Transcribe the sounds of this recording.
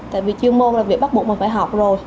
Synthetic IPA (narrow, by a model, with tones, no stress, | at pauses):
t̪a̰ː˧˨jvi˨˩t͡ɕɨ˧əmo˧nlaː˨˩vi˨˩ək̚ɓt̚u˨˩k̚mi˨˩ŋfaː˧˩jɦɔ˨˩wk͡p̚zo˨˩j